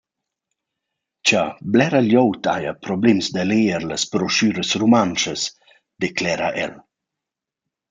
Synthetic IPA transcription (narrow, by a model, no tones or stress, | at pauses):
t͡ʃablɛɾaljowt̪ʰa̰japɾɔblɛmsd̪əleəɾləspɾɔʃyːɾəsɾumanʃəs | d̪̥ɛklɛːɾa̰ʔɛ̰l